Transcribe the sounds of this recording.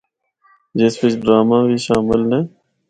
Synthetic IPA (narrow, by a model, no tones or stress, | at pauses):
d͡ʒeːspɪt͡ʃɖɾaːmãːbʱiːʃaːmɪlnẽː